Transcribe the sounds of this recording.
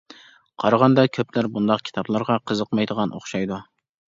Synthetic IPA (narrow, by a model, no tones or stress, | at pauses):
qʰɑɾɑʁɑnd̪ɑkʲʰøplæɾbund̪ɑqkʲʰi̥t̪ʰɑblˠɑɾʁɑqʰəzəqmɑjd̪əʁɑnʔo̰χʃɑjd̪u